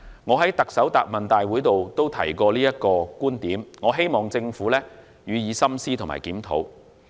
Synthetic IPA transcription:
ŋɔː˨˧ɦɐ˨˥jt̪ɐ˨k̚sɐ˨˥wt̪a̰ː˨˩p̚mɐ˨nt̪aː˨jwuː˨˥jt̪o˨wt̪o˥wt̪ʰɐ̰˨˩jkɔː˧liː˥jɐ˥t̚kɔː˧kuː˥nt̪iː˨˥mŋɔː˨˧ɦe˥jmɔː˨ŋt͡sɪ˧ŋfuː˨˥lɛː˥ | jyː˨˧jiː˨˧sɐ˥msiː˥t̪ʰo˨˩ŋma̰ː˨˩jkiː˨˥mt̪ʰo̰˨˥w

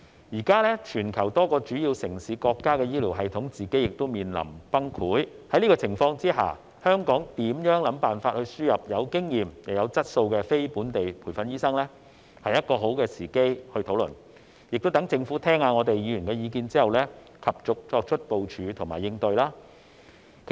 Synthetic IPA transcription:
jiː˨˩kaː˥lɛː˥t͡ʃʰyː˨˩nkʰɐ˨˩wt̪ɔː˥kɔː˧t͡ʃyː˨˥jiː˧wsɪ˨˩ŋsiː˨˧˥kɔː˧kːaː˥kɛː˧jiː˥liː˨˩wɦɐ˨jt̪ʰʊ˨˥ŋt͡siː˨ke˨˥jɪ˨˩k̚t̪ʊ˥wmiː˨nlɐ̰˨˩mpɐ˥ŋkʰuː˨˥jhɐ˨˥jniː˥kɔː˧t͡sʰɪ˨˩ŋfɔː˧ŋt͡siː˥ha̰ː˨˩ | hœː˥ŋkɔː˨˥ŋt̪iː˨˥mjœː˨˥ŋlɐ˨˥mpaː˨nfaː˧t̚hɵ˧ɥsyː˥jɐ˨p̚jɐ˨˧wkɪ˥ŋjiː˨mjɐ˨˩jɐ˨˧wt͡sɐ˥t̚so˧wkɛ˧fe˥jpuː˨˥nt̪e˨jpʰuː˨˩jfɐ˧njiː˥sɐ˥ŋlɛ˥ | hɐ˨jɐ˥t̚kɔː˧ɦo˨˥wkɛː˧siː˨˩ke˥jhɵ˧ɥt̪ʰo˨˥wlɵ̰˨˩n | jɪ˨k̚t̪t̪ŋt͡sɪ˧ŋfuː˨˥t̪ʰɛː˥ŋaː˧ŋɔː˨˧t̪e˨jiː˨˧jy˨˩nkɛː˧jiː˨˧kiː˧nt͡siː˥hɐ˨wlɛː˥ | kʰɐ˨p̚t͡sʊ˨k̚t͡sɔː˧k̚t͡ʃʰɵ˥t̚po˨wt͡ʃʰyː˨˥t̪ʰʊ˨˩ŋma̰ː˨˩jːɪ˧ŋt̪ɵ˧ɥlaː˥ | kʰ

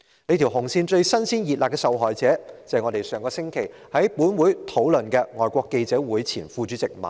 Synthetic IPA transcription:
le˨˥jt̪ʰiː˨˩wɦʊ˨˩ŋsiː˧nt͡ʃɵ˧ɥsɐ˥nsiː˥njiː˨t̚laː˨pkɛ˧sɐ˨wɦɔː˨˩jt͡sɛː˨˥t͡sɐ˨jŋɔː˨˧t̪e˨jsœː˨ŋkɔː˧sɪ˥ŋkʰe˨˩j | hɐ˨˥jpuː˨˥nwuː˨˥jt̪ʰo˨˥wlɵ˨˩nkɛː˧ŋɔː˨˩jkʷɔː˧kːe˧jt͡sɛː˨˥wuː˨˥jt͡sʰiː˨˩nfuː˧t͡ʃyː˨˥t͡sɪ˨k̚mɐ̰˨˩n

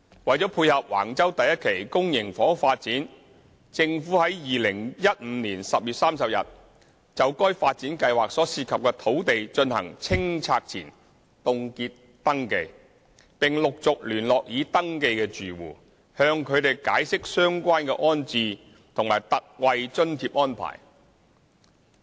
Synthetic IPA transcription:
wɐ˨jt͡ʃɔː˨˥pʰuː˧jhɐ˨p̚wa̰ː˨˩ŋt͡sɐ˥wt̪ɐ˨jɐ˥t̚kʰe˨˩jkʊ˥ŋjɪ˨˩ŋfɔː˨˥faː˧t̚t͡siː˨˥n | t͡sɪ˧ŋfuː˨˥hɐ˨˥jjiː˨˩lɪ˨˩ŋjɐ˥t̚m̩˨˧˦niː˨˩nsɐ˨p̚jyː˨t̚saː˥msɐ˨p̚jɐ̰˨t̚ | t͡sɐ˨wkɔː˥jfaː˧t̚t͡siː˨˥nkɐ˧jwaː˨˩k̚sɔː˨˥siː˧t̚kʰɐ˨p̚kɛː˧t̪ʰo˨˥wt̪e˨jt͡ʃɵ˧nhɐ̰˨˩ŋt͡sʰɪ˥ŋt͡sʰaː˧k̚t͡sʰḭː˨˩n | t̪ʊ˨˧ŋkiː˧t̚ | t̪ɐ˥ŋke˧j | pɪ˨˩ŋlʊ˨k̚t͡sʊ˨k̚lyː˨˩nlɔː˨k̚jiː˨˧t̪ɐ˥ŋke˧jkɛː˧t͡ʃyː˨˩wṵː˨˩ | hœː˧ŋkʰɵ˨˧ɥt̪e˨˩jkaː˨˥jsɪ˥k̚sœː˥ŋkʷaː˥nkɛː˧ʔɔː˥nt͡siː˧ | t̪ʰʊ˨˩ŋmaː˨˩jt̪ɐ˨k̚wɐ˧jt͡ʃɵ˥nt̪ʰiː˧p̚ʔɔː˥npʰa̰ː˨˩j

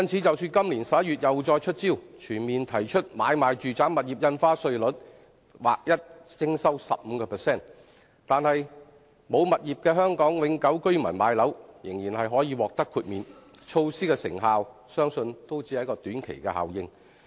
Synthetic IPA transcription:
jɐ˥nt͡sʰiː˨˥t͡sɐ˨wsyː˧nkɐ˥mliː˨˩nsɐ˨p̚jɐ˥t̚ɥyː˨t̚jɐ˨wt͡sɔː˧jt͡ʃʰɵ˥t̚t͡siː˥˩wt͡ʃʰyː˨˩nmiː˨nt̪ʰɐ˨˩jt͡ʃʰɵ˥t̚maː˨˧jmaː˨jt͡ʃyː˨t͡saː˨˥ŋmɐ˨t̚jiː˨p̚jɐ˧nfaː˥sɵ˧ɥlɵ˨˥t̚ | wa̰ː˨k̚jɐ˥t̚t͡sɪ˥ŋsɐ˥wsɐ̰˨p̚m̩ː˨˧kɔː˧pʰɛ˨˩sɛː˥˩n | t̪aː˨nhɐ˨j | mo˨˧wmɐ˨t̚jiː˨p̚kɛː˧ɦœː˥ŋkɔː˨˥ŋwɪ˨˧˥ŋkɐ˨˥wkɵ˥ɥmɐ̰˨˩nmaː˨˧jlɐ˨˥wjɪ˨˩ŋjiː˨˩nhɐ˨jɦɔː˨˥jiː˨˧wɔː˨k̚t̪ɐ˥kʰːuː˧t̚miː˨n | t͡ʃʰo˧wsiː˥kɛː˧sɪ̰˨˩ŋɦaː˨w | sœː˥ŋsɵ˧nt̪o˥wt͡siː˧˨˥hɐ˧˥kɔː˧t̪yː˨˥nkʰḛ˨˩jkɛ̰˧ha̰ː˨wjɪ˧ŋ

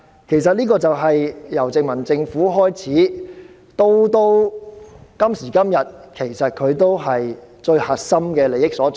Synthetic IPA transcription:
kʰe˨˩js̬ɐ˨t̚niː˥kɔː˧t͡sɐ˨wɦɐ˨jjɐ˨˩wt͡sɪ˨˧ŋmɐ˨˩nt͡sɪ˧ŋfuː˨˥ɦɔː˥jt͡sʰiː˨˥ | t̪o˥wt̪o˥w | kɐ˥msiː˨˩kɐ˥mjɐ˨t̚kʰe˨˩jsɐ˨t̚kʰɵ˨˧ɥt̪̬o˥wɦɐ˨jt͡ʃɵ˧ɥhɐ˨˩t̚sɐ˥mkɛː˧le˨˩jɪ˥k̚sɔː˨˥t͡s

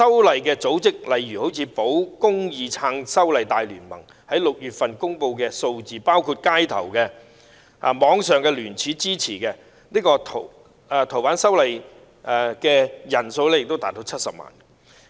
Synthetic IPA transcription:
sɐ˥wlɐ˨jkɛː˧t͡so˨˥wt͡sɪ˥k̚lɐ˨jɥyː˨˩ho˨˥wt͡sʰiː˨˧˥po˨˥wkʊ˥ŋjiː˨˧t͡sʰaː˧ŋsɐ˥wlɐ˨jt̪aː˧jlyː˨˩nmɐ˨˩ŋ | hɐ˨˥jlʊ˨k̚jyː˨t̚fɐ˨nkʊ˥ŋpo˧wkɛː˧so˧wt͡siː˨paː˥wkʰuː˧t̚kaː˥jt̪ʰɐ̰˨˩wkɛ̰ː˧˨ | mɔː˨˧ŋsœː˨˩ŋkɛ˧lyː˨˩nt͡sʰiː˨˥t͡siː˥t͡sʰiː˨˩kɛ˧ | niː˥kɔː˧t̪ʰː | t̪ʰo˨˩wpaː˨˥nsɐ˥wlɐ˨j | ʔkɛː˧jɐ˨˩nso˧wlɛ˥jɪ˨k̚t̪o˥taː˨t̚t̪ːo˨˥wt͡sʰɐ˥t̚sɐ˨p̚ma̰ː˨˩n

